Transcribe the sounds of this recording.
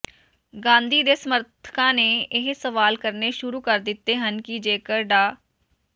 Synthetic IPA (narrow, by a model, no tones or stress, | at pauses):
ɡãːnd̪ʱid̪eːsəməɾt̪ʰə̥kãneɪɦsəʋaːlkəɾneʃʊɾukəɾd̪ɪt̪ːeɦənkid͡ʒeːkəɾɖaː